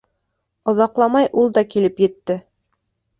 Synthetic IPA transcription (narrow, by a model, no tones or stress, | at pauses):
ŏðɑqlˠɑmɑjʔulˠd̪ɑkilɘpjɘ̆t̪ːɘ